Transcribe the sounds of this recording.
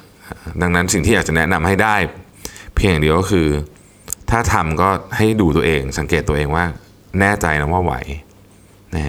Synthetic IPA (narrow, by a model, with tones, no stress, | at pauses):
ʔda˧ŋna˦˥nsi˨˩ŋt̪ʰi˥˩a˨˩t͡ɕa˨˩nɛ˦˥na˧mha˥˩jdaː˥˩j | pʰeː˧ŋjaː˨˩di˧əkɔ˥kʰɯː˧ | t̪ʰaː˥˩t̪ʰa˧mkɔː˥˩ha˥˩jduː˧t̪u˧ɐʔeː˧ŋsa˩˦ŋkeː˨˩t̪ːu˧ɐʔeː˧ŋwaː˥˩ | nɛː˥˩t͡ɕa˧jna˦˥waː˥˩wa̰˩˦j | na˦˥˦